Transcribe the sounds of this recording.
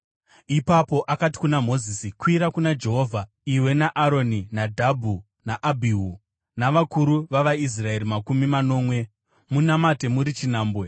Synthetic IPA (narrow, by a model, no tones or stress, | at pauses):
ipapo̞ʔakati̥kunamo̞zisikwiɾakunad͡ʒe̞ɦo̞ːvʱa | iwe̞naʔaɾo̞ninadʱabʱu | naʔabʱiɦu | naʋakuɾuʋaʋais̬rae̞ɾimakumimano̞ːmwe̞ | munamate̞muɾit͡ʃinaːmbwe̞